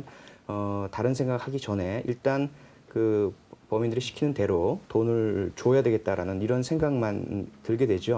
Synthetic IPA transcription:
nʌtaɾɯnsʰe̞ŋɡak̚haɡit͡ɕʌnɦe̞iɭt͈an | kɯpʌmindɯɾiɕʰi̥kʰinɯnte̞ɾotonɯɭt͡ɕoʌjadwe̞ɡet̚t͈aɾanɯniɾʌnsʰeŋɡaŋmantɯɭɡe̞dwe̞d͡ʑo

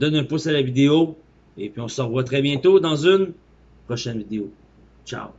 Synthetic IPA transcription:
d̪ɔnɛ̃pʊsalavid̪eo | epɥiɔ̃sɑ̃ʁvwat̪χɛbjɛ̃t̪od̪ɑ̃zyn | pχɔʃɛnvid̪eo | t͡ʃa̰ʊ

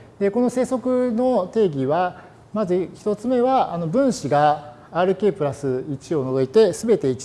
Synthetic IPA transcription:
d̪e̞ko̞no̞se̞ːso̞kɯ̟no̞t̪e̞ːɡʲiβa | mazɨçi̥t̪o̞t͡sɨme̞βaano̞bɯ̟̃ɰ̃ɕiɡaː | ɾɯ̟ke̞ːpɯ̟ɾasɨit͡ɕio̞no̞zo̞it̪e̞sɨbe̞t̪e̞it͡ɕi̥

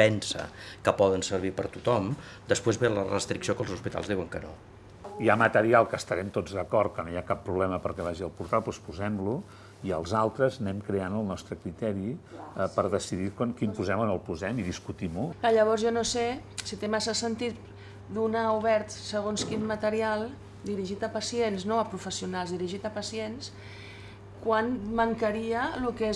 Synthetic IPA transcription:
ɛnsə̰kəpɔðənsəɾβ̞ipəɾt̪ut̪ɔm | d̪əspwezβelərə̰st̪ɾiksiokəlˠzuspit̪a̰lˠzðiwəŋkəno̰ | iamət̪əɾialˠkəːst̪əɾɛmt̪od͡zðəkɔrt̪̚kənojakapːɾuβlɛməpəɾkɛβaʒiəlˠpuɾt̪alˠpɔspuzɛmlu | iəlˠzalˠt̪ɾəznɛmkɾeanəlˠnɔst̪ɾəkɾit̪ɛɾiəpəɾðəsiðikwankimpuzɛmənəlˠpuzɛmiðiskut̪imuklaʎəβ̞ɔɾzʒɔnose | sit̪emasasənt̪it̪̚ | d̪unauβɛɾt̪səɣ̞onskinmət̪əɾialˠ | d̪iɾiʒit̪əpəsiensnoəpɾufəsiunalˠzðiɾiʒit̪əpəsiens | kwanməŋkəɾiəluke

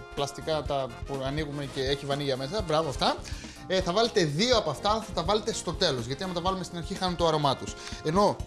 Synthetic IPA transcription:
plɐst̪ikɐt̪ɐpuɐniɣume̞ce̞eçivɐniʝɐme̞sɐbɾɐvoɐft̪ɐ | θɐvɐle̞t̪eðioɐpoɐft̪ɐlɐθɐt̪ɐvɐle̞t̪e̞st̪o̞t̪e̞lo̞zʝɐt̪iɐmɐt̪ɐvɐlume̞st̪inɐɾçixɐnunt̪oɐɾo̞mɐt̪use̞no̞

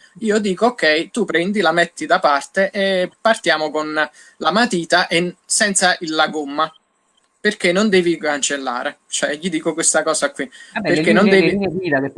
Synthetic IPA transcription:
iːod̪iːkookːɛjt̪upɾɛnd̪ilamet̪ːid̪apart̪eʔepːart̪jaːmokon | lamat̪iːt̪aʔesɛnt̪saʔilːaɡomːa | perk̟enːond̪ɛːvikant͡ʃelːa̰ːɾet͡ʃoɛʎid̪iːkokwest̪akɔːsakːwiperkːenːond̪ɛːviid̪a

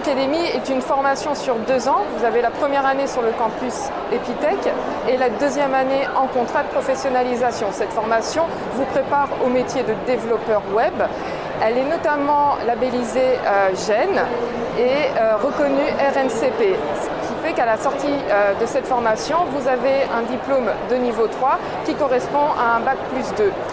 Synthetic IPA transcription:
akad̪emiɛt̪ynfɔʁmasjɔ̃syʁd̪øzɑ̃vuzavelapχəmjɛʁanesyʁləkɑ̃pys | epit̪ɛk | ɛlad̪øzjɛmaneɑ̃kɔ̃t̪χad̪əpχɔfɛsjɔnalizasjɔ̃sɛt̪fɔʁmasjɔ̃ | vupχepaʁomet̪jed̪əd̪evlɔpœʁwɛb | ɛlɛnɔt̪amɑ̃labelizeøʒɛn | eøʁəkɔnyʔɛʁɛnsepe | sə̥kʲʰifɛkalasɔʁt̪iød̪əsɛt̪fɔʁmasjɔ̃vuzaveɛ̃d̪iplomd̪ənivot̪χwa | kʲikɔʁɛspɔ̃ʔaɛ̃bak̚plysd̪ø

